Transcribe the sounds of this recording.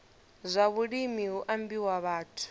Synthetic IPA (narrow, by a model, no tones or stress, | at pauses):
zʷaβuɺimiɦuʔambiwaβaːtʰu̥